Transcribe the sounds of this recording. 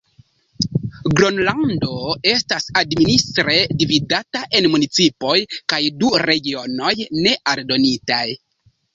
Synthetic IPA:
ɡɾonlando̞e̞stasadministɾe̞dividataʔe̞nmunit͡sipo̞jkajduɾe̞ɡio̞no̞jne̞ʔaldo̞nitaj

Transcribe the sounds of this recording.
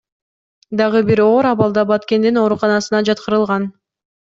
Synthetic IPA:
d̪ɑʁɯbiɾo̞ːɾɑβɑlˠd̪ɑbɑt̪ke̞nd̪ino̞ɾuqɑnɑsɯnɑd͡ʒɑt̪qɯɾɯlˠʁɑn

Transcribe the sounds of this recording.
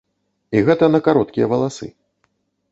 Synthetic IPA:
iɣɛt̪ɐnɐkaɾɔt̪̚kʲijɐvɐlˠasɨ̰

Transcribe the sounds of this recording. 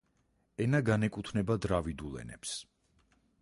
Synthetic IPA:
ɛnaɡanɛkʼut̪ʰnɛbad̪ɾavid̪ulɛ̰nɛ̰ps

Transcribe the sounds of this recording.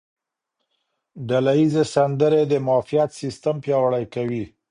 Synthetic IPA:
ɖalajizesand̪əɾed̪əmɑfijat̪sist̪ampjɑwaɽajkawi

